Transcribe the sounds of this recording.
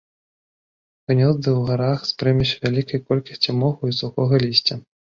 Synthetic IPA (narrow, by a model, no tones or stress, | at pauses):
vɨnʲɔzd̪ɨwɣaɾaxspɾɛmʲiwsʲɐvʲalʲikɐjkɔlʲkɐsʲt͡sʲimɔɣuisuxɔɣɐlʲisʲt͡sʲɐ